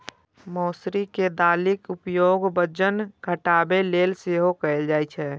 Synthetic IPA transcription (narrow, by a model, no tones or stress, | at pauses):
mɔːsɾiked̪aːlɪkʊpjoːɡbəd͡ʒənkəʈaːbeleːlseɦokəɪld͡ʒaːjt͡ʃʰɛ